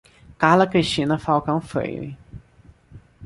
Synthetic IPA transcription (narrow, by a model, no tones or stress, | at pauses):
kahlɐkɾiʃt͡ʃĩnɐfawkɐ̃w̃fḛj̰i